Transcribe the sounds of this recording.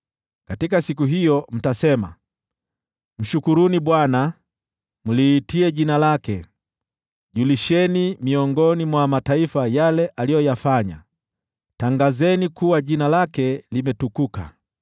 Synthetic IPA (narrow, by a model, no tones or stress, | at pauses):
katikasikuɦijɔm̩tasɛma̰ | m̩ʃukuɾuniɓwana | muliːtiɛʄinalakɛ | ʄuliʃɛnimiɔŋɡɔnimwamataifajalɛʔalijɔjafaɲa̰ | taŋɡazɛnikuwaʄinalakɛlimɛtukuka̰